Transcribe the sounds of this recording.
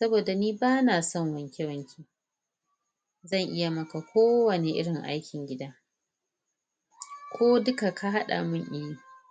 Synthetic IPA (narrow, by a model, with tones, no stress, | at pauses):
sɐ˦boː˨da˨niː˦baː˦naː˨sɔ˦˨ŋwɐ˨ŋkʲe˦wɐ˨ŋkʲʰeː˨ | zɐ˦˨ŋʔɪ˦ja˨mɐ˦ka˨kʷʰoː˦wɐ˨neː˨ʔɪ̰˦ɽɪ˨ŋʔa̰˦jkʲɪ˨ŋɡʲɪ˦daː˦ | kʷʰoː˦dʊ˦ka˨ka˦ɦa˦ɗa̰˨mʊ˦ɲʔɪ˦niː˦